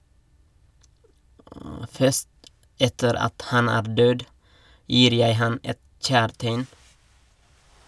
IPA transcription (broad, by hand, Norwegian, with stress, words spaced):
ˈfœʃt ˈɛtəɾ ˈɑt ˈhɑn ˈæːɾ ˈdøːd ˈjiːɾ ˈjæɪ ˈhɑn ˈɛt ˈc͡çæːɾteɪn